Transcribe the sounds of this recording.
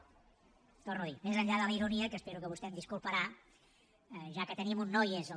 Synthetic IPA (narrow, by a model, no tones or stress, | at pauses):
t̪ornuðimezəɲʎaðələiɾuniəkəspeɾukəβust̪ɛmd̪iskulˠpəɾa | ʒakət̪ənimunːɔjez